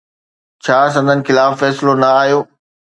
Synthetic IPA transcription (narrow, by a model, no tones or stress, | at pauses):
t͡ɕʰaːs̬ɐ̃nd̪ʱənɪ̆xɪlaːfːɛːsɪlonɐaːɦjoː